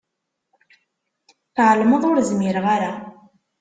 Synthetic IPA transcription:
θʕəlməðˤʊɾzmɪɾʁaɾa

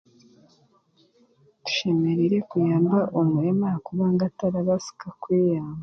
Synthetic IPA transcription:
d̥u̥ʃemeɾeɾe̞kujaːmbaʔomujemaakuβaŋɡataɾaβasu̥kakwijaːmba

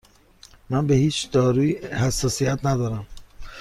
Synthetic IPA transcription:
mænbehiːt͡ʃʰd̪̥ɒːɾuːhæsːɒːsijæt̪ʰnæd̪ɒːɾæm

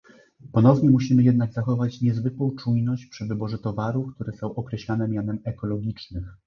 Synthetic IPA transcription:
pɔnɔvɲɛmuɕimɘjɛd̪naɡzaxɔvat͡ɕɲɛzvɘkwɔ̃w̃t͡ʂujnɔɕt͡ɕpʂɘvɘbɔʐɛt̪ɔvaɾufk̚t̪uɾɛsɔ̃w̃ʔɔkɾɛɕlanɛmʲjanɛmɛkɔlɔɡʲit͡ʂnɘx

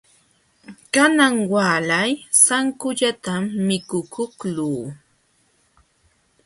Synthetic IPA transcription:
kanaŋwaːlajsaŋkʊʎat̪amːɪkʊkʰʊkluː

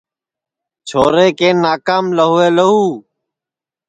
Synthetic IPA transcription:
t͡ʃʰoːɾeːkeːnːaːkaːmləɦʊːeːləɦuː

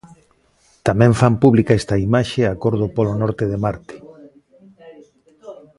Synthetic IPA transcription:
t̪amɛ̃ɱfampuβlikaɛst̪ɐimaʃeakoɾðopɔlonɔɾt̪eðemaɾt̪e̥

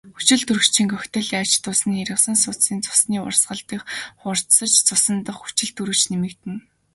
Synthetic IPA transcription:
xu̥t͡ɕɪ̆ɮt̪ɵrɵ̆t͡ɕʰĭŋkœxʲt̪ə̆ɮjḁt͡ɕt̪ʊːsniːeɾə̆χsə̆ŋsʊt͡ssiːnt͡sʊ̥sniːʊ̰rsɢə̆ɮt̪iːxχʊr̥t̪sə̆t͡ɕt͡sʊsə̆nt̪ə̆χxu̥t͡ɕɪ̆ɮt̪uɾɘ̆t͡ɕnemɘ̆kt̪ɘ̆n

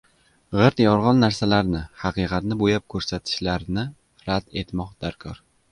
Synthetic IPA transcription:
ʁɨɾt̪jɒɾʁɒnːaɾsalaɾnɪhɑqɨqʰɑt̪nɪbojap̚kʰɵɾsat̪ʰɪ̥ʃlaɾnɪ | ɾad̪e̞t̪mɒqd̪̥aɾkʰɒɾ

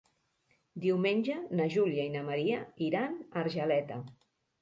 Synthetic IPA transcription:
d̪iwmenʲd͡ʒənəʒuliainəməɾiəiɾanəɾʒəlɛt̪ə

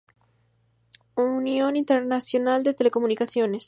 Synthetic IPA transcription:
unjo̞nint̪eɾnasjo̞nald̪e̞t̪eleko̞munikasjo̞nes

